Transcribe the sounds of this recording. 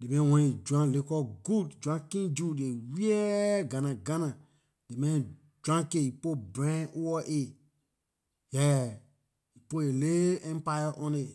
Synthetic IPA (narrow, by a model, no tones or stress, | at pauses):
demɛ̃wɛ̃ned͡ʒuãlekɔɡudd͡ʒãkĩnd͡ʒudewiɛɡãnãɡãnã | demɛ̃ | d͡ʒãkeipobɾɛ̃ʔuwɔʔe | jɛ | ipoeleɛ̃mpajaʔɔ̃ne